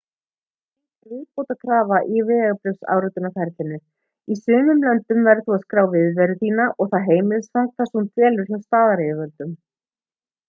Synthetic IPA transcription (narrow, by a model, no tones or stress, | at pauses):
vɪðpowt̪akʰɾaːvaʔivɛːaɣpɾʏwsa̰ːwɾʏt̪ʏnafɛɾt̪ɪnːʏ | isʏːmʏmlœnt̪ʏmvɛɾðθuaðskɾaːwvɪðvɛɾʏθiːnaʔɔɣθaðɦeːjmɪðsfaŋk̪θasunt̪ʰvɛːlʏɾ̥çast̪aːðaɾejʏvœlt̪ʏm